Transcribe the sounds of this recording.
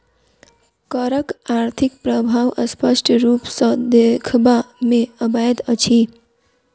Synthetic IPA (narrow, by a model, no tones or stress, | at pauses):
kəɾəkaɾt̪ʰik̚pɾəbʱaʋəspəʂʈʰɾuːpsə̃d̪ekʰbamẽəbajət̪ət͡ʃʰi